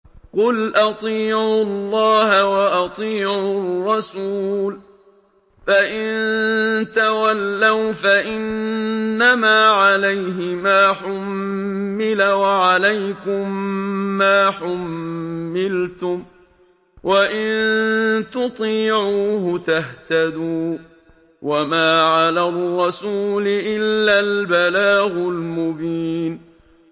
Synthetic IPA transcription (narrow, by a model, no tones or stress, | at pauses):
qʊlʔɑt̪ˤiːʕʊllːɑːɦawaʔɑt̪ˤiːʕʊrːɑsuːl | faʔɪnnt̪awalːawfaʔɪnː | amaːʕalajɦɪmaːħʊmː | ɪlawaʕalajkʊmː | aːħʊmː | ɪlt̪ʊm | wʔaʔɪnt̪ʊt̪ˤiːʕuːɦʊt̪aht̪ad̪uː | wʔamaːʕalarˤːɑsuːlɪʔɪlːalbalaːɣʊlmʊbiːn